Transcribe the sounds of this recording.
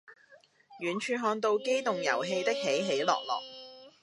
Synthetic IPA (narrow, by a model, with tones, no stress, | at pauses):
jyː˨˩nt͡ʃʰyː˧ɦɔː˧ŋt̪o˧wke˥jt̪ʊ˨ŋjɐ̰˨˩wɦe˧jt̪ɪ˥k̚he˨˥jɦe˨˥jlɔ̰ː˨k̚lɔ̰ː˨k̚